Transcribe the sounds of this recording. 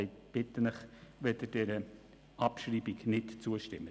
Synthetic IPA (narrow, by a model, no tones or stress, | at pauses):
ɪb̥ɪtənəχʋɛdəd̥ɛɾə | ɑpʃɾiːbɪknɪtt͡suəʃtɪmə